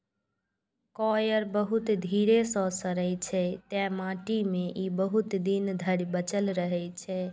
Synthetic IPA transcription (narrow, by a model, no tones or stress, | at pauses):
kɔjəɾbəɦut̪d̪ʱiɾesɔ̃səɾəjt͡ʃʰɛt̪ɛ̃mãʈimẽʔibəɦut̪d̪ind̪ʱəɽibət͡ʃəlɾəɦɛt͡ʃʰɛ